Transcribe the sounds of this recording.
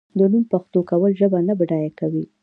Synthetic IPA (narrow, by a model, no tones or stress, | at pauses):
d̪ənumpaxt̪okawəlʒəbanabɖɑjakawi